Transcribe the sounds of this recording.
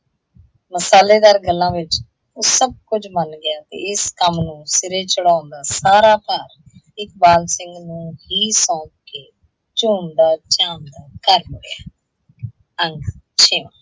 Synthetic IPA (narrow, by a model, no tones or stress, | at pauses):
məsaːleːd̪aːɾɡəlːãːʋɪt͡ʃ | oːsəb̚kʊd͡ʒmənɡɪjaːt̪ḛːɪskəmnũːsɪɾeːt͡ʃəɽaːnd̪aːsaːɾaːpʰəːɾ | ɪk̚baːlsɪ̃ŋɡnũːɦiːsɔ̃ːkkeː | t͡ʃuːnd̪aːt͡ʃaːnd̪aːkəɾnɡɪjaː | əŋɡt͡ʃʰiːʋãː